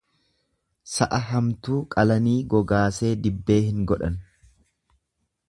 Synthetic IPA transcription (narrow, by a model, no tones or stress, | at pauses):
sɐʔɐɦɐmt̪uːkʼɐlɐniːɡɔɡaːse̞ːd̪ɪbːe̞ːhɪŋɡɔᶑɐn